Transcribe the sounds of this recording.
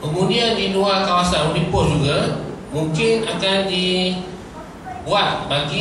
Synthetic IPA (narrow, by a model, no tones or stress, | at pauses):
kəmuniandiluakawasanunipɔd͡ʒuɡa | muŋkɪnakandi | buat̪̚baɡi